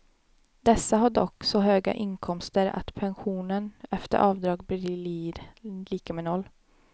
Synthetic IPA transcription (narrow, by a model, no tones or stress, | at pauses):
d̪̥ɛsːaɦaɖɔ̰kːsɔɦøːɡa̰ʔɪnkʰɔmst̪əɾa̰t̪pʰɛnɧuːnənɛft̪ə̰ɾʔɑːvd̪ɾɑːɡbliɾliːkamɛːnɔlː